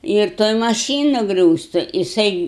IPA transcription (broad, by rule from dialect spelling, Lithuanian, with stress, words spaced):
ɪr ˈtoːj mɐˈʃʲiːnʊ ˈɡrʲuːstʊ jɪˈsɐɪ